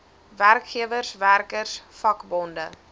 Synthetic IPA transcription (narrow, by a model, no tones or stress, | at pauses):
værkχiəvərsværkərsfɐkbɔndə